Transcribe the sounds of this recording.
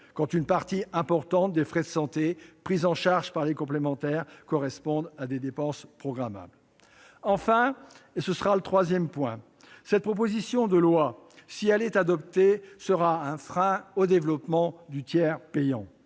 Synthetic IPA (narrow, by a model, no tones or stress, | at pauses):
kɑ̃t̪ynpaʁt̪iɛ̃pɔʁt̪ɑ̃t̪̚d̪efχɛd̪əsɑ̃t̪epχizɑ̃ʃaʁʒpaʁlekɔ̃plemɑ̃t̪ɛʁkɔʁɛspɔ̃d̪ad̪ed̪epɑ̃spχɔɡʁama̰bl | ɑ̃fɛ̃esəsəʁalət̪χwazjɛmpwɛ̃ | sɛt̪̚pχɔp̬ozisjɔ̃d̪əlwasiɛlɛt̪ad̪ɔp̚t̪esəʁaɛ̃fχɛ̃od̪evlɔpmɑ̃d̪yt̪jɛʁpɛjɑ̃